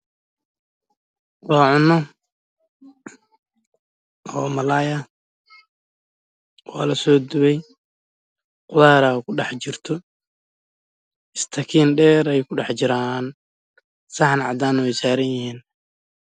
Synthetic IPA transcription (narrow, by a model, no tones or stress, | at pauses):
wɑːʕʊnːɔ | ʔɔːmɐlaːjɐ | wɑ̰ːlɐsɔːd̪ʊβɛj | qʊðaːɾɐkʰʊɖɑħt͡ʃɪrt̪ʰɔ | ɪst̪ʰɐkʰiːnɖɛːɾɛjkʰʊɖɑħt͡ʃɪɾaːn | sɑħnʕɑ̰d̪aːnʊwɛjsaːɾɐnjɪhiːn